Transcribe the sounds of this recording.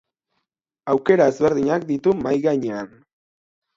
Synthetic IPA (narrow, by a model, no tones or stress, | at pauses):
awke̞ɾaezβe̞ɾðiɲak̚d̪it̪umajɣaɲean